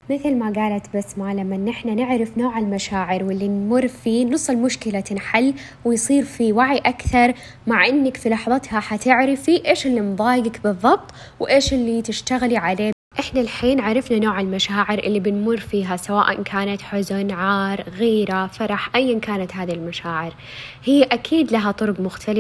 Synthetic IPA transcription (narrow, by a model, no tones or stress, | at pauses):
mɪθlmaɡaːlat̪basmalamːanːʔɪħnanɪʕɾɪfnoːʕɪlmaʃaːʕɪɾwɪlːinmʊrfiːnɨsˤːɨlmʊʃkɪlat̪ɪnħalː | wɪjsˤiːɾfiwaʕiʔakθɑɾˤ | maʕʔɪnːakfilɑħðˤɑt̪haħat̪ɪʕɾɪfiʔeːʃɪlːimðˤɑːjɡɪkbɨðˤːɑb̚t̪ˤ | wʔeːʃɪlːit̪ɪʃt̪aɣliʕaleː | ʔɪħnalħiːnʕaɾˤɑfnanoːʕɪlmaʃaːʕɪɾʔɪ̰lːibɪnmʊrːfiːɦasawaːʔankʰaːnat̪ħʊzʊnʕaːɾˤɣiːɾafɑɾˤɑħʔajːankaːnat̪ɦaːðilmaʃaːʕɪɾ | hɪːʔakʰiːd̪laɦat̪ˤʊɾʊɡmʊxt̪ʰalɪ